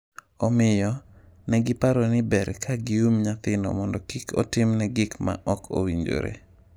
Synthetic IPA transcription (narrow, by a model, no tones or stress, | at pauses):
ɔmɪjɔ | nɛɡɪpaɾɔnɪbɛɾkʰaɡiumɲat̪ɪnɔ̰mɔndɔkikɔ̰tɪmnɛɡɪkma̰ʔɔkʰo̰wiɲd͡ʒo̰ɾḛ